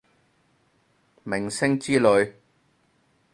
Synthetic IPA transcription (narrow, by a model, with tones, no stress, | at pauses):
mɪ˨˩ŋsɪ˥ŋt͡siː˥lɵ˨˧ɥ